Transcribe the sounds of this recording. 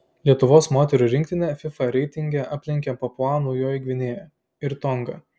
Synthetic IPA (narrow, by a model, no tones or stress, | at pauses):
lʲiɛt̪ʊʋoːsmoːt̪ʲɛɾʲuɾʲɪŋk̚t̪ʲɪnʲɛfʲɪfɐɾʲɛɪt̪ʲɪŋʲɡʲɛʔaːpʲlʲɪŋʲkʲɛpoːplˠɑːnuːjoːiɡʲʋʲɪnʲeːjɛ | ɪɾt̪ɔŋɡɐ